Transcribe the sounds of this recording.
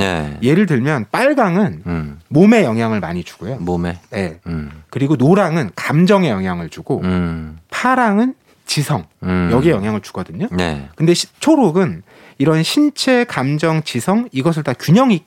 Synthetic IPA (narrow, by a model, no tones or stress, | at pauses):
ḛje̞ɾɯɭt̬ɯɭmjʌnp͈aɭɡaŋɯnmome̞jʌŋɦjaŋɯɭmaɲid͡ʑu̥ɡ̥ojomomeje̞kɯɾiɡonoɾaŋɯnkamd͡ʑʌŋe̞jʌŋɦjaŋɯɭt͡ɕuɡo | pʰaɾaŋɯn | t͡ɕisʰʌŋjʌɡie̞jʌŋɦjaŋɯɭt͡ɕu̥ɡʌdɯɲoḛkɯnde̞t͡ɕʰoɾoɡɯn | iɾʌnɕʰint͡ɕʰe̞kamd͡ʑʌŋt͡ɕisʰʌŋiɡʌs̬ʰɯɭtakjuɲʌŋi